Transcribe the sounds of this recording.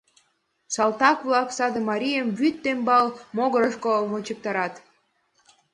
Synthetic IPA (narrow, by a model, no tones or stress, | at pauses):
sɑlˠt̪ɑkβlɑksɑd̪əmɑɾʲijəmbyt̪ːembɑlmoɣəɾəʃkomot͡ɕək̚t̪ɑɾɑt̪